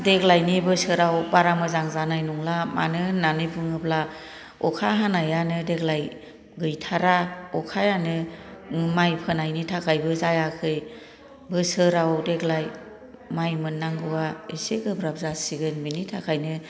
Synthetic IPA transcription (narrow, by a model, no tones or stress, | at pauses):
deɡlajnibɯsɯɾawbaɾamɯzaŋzanajnuŋlama̰nɯnanɯbɯŋɯbla | ɔkʰaɦanajanɯdeɡlaj | ɡɯjtʰaɾaɔkʰajanɯ | majpʰɯnajnitʰakʰajbɯzajakʰɯj | bɯsɯɾawdeɡlaj | majmɯnːaŋɡɯwaeseɡɯbɾab̚zasiɡɯnminitʰakʰajnɯ